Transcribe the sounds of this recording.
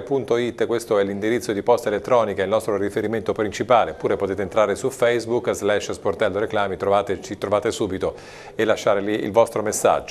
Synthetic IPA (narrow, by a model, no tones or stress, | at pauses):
punt̪oit̪ːkwest̪oɛlːind̪iɾit̪sːod̪ipɔst̪aelet̪ːɾɔːnikailnɔst̪ɾorifeɾiment̪opɾint͡ʃipaːlepːuːɾepot̪eːt̪eːnt̪ɾaːɾesufɛjzbukːzlɛʃsport̪ɛlːoɾeklaːmit̪ɾovaːt̪et͡ʃit̪ːɾovaːt̪esuːbit̪o | elːaʃːaːɾeliḭlvɔst̪ɾomesːa̰d͡ʒːo